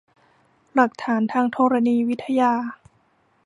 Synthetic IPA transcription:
la˨˩k̚t̪ʰaː˩˦nt̪ʰaː˧ŋt̪ʰɔː˧ɾa˧niː˧wi˦˥t̪ʰːa˧jaː˧

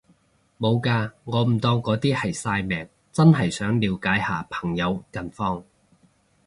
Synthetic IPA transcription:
mo˨˧wkaː˧ŋɔː˨˧m̩˨˩t̪ɔː˧ŋkɔː˨˥t̪iː˥hɐ˨jsaː˧jmɛː˨˩ŋ | t͡sɐ˥nɦɐ˨˩jsœː˨˥ŋliː˨˧wkaː˨˥jhaː˨pʰɐ̥˨˩ŋjɐ˨˧wkɐ˨nfɔː˧ŋ

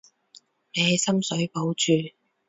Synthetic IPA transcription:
neː˨˧˨sɐ˥msɵ˨˥ɥpo˨˥wt͡ʃyː˨

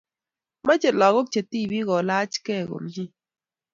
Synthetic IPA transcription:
ma˦t͡ʃe˨lɔ˨ɣo˦k̚t͡ʃe˨t̪i˦˨bi˦ɣɔ˨la˦t͡ʃkɛ˦˨ɡo̰˨md͡ʒi˦

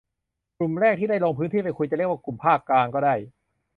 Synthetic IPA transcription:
kɾu˨˩mɾɛː˥˩k̚t̪ʰiː˥˩da˥˩jloː˧ŋpʰɯ˦˥t̪ʰiː˥˩pa˧˩jkʰu˧jt͡ɕa˨˩ɾi˥˩əwaː˥˩ku˨˩mpʰaː˥˩kːlaː˧ŋkɔː˥˩daː˥˩j

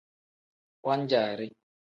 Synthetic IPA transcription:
wa˦n˦d͡ʒaː˨ɾɪ˦

